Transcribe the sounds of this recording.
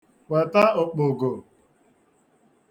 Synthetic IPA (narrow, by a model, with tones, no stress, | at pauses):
we˨ta˦ʊ˨k͡pʊ˨ɡo˨